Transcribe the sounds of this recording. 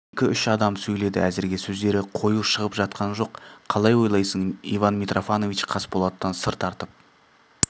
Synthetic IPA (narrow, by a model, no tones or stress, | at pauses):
ekʲɪʏʃɑd̪ɑmsɵjle̞d̪ɪ̰æzɪɾɡʲe̞sɵzd̪e̞ɾɪqʰo̞juʃəʁəpʒɑt̪̚qʰɑnʒo̞qʰːɑlˠɑjwo̞jlˠɑjsəɴivɑnmʲit̪rʔo̞fɑno̞vit͡ʃqʰɑsbolˠɑt̪t̪ːɑnsəɾt̪ʰɑɾt̪əp̚